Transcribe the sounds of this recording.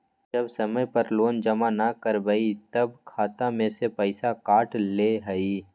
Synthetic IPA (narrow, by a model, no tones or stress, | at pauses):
d͡ʒɐbsɐməjpɐɾloːnd͡ʒɐmanakəɾbəit̪ɐbkʰaːt̪ãmẽsepəɪsakaːʈleɦɐi